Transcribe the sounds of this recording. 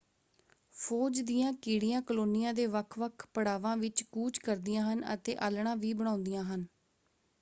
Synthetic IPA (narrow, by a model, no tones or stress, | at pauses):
pʰoːd͡ʒd̪ijãːkiːɽɪjãːkəloːnɪjãːd̪eːʋəkʰʋəkʰpəɽaːʋãːʋɪt͡ʃkuːt͡ʃkəɾd̪ijãːɦənə̰t̪eːʔəːlɳãːʋiːbəɽ̃ãːʊ̃nd̪ijãːɦən